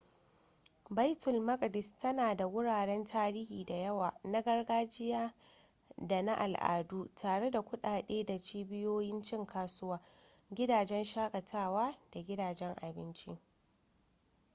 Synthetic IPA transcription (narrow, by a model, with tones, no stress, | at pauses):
ba˦jtʊ˨lmɐ˦ɡʼdɪ˨stɐ˦naː˨da˨wʊ˦ɽaː˨ɽɛ˦ntʰaː˦ɾiː˦hiː˨da˨jɐ˦waː˨na˦ɡɐ˦rɡaː˦d͡ʒɪ˦jaː˦ | da˨na˦ʔa˨lʔa̰ː˨duː˦tʰaː˨ɽe˦da˨kʷʊ˦ɗaː˨ɗeː˦da˨t͡ʃiː˦bɪ˦joː˦jɪ˦nt͡ʃɪ˦ŋkaː˦sʊ˦waː˦ | ɡʲɪ˦daː˨d͡ʒɛ˦nʃaː˦kʼɐ˨tʰaː˦˨waː˦d̥a˨ɡʲɪ˦daː˨d͡ʒɛ˦ŋʔa̰˨bɪ˦nt͡ʃɪ̰˦